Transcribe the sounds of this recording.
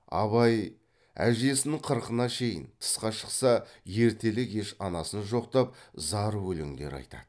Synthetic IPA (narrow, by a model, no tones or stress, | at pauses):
ɑ̰βɑj | æ̰ʒe̞sɪnɪɴqʰəɾqənɑʃe̞jɪ̰nt̪ʰə̥sqɑʃə̥qsɑje̞ɾt̪ʰe̞lɪke̞ʃɑnɑsənʒo̞qt̪ɑp̚zɑɾwɵleŋd̪e̞̰ɾɑ̰jt̪ɑ̰d̪̥əə